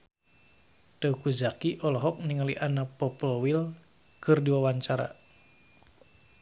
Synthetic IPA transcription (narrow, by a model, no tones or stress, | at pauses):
t̪əukuzakiʔɔlɔɦɔk̚niŋaliʔanapɔplɔwil | kɨrdiwawaɲt͡ʃaɾa̰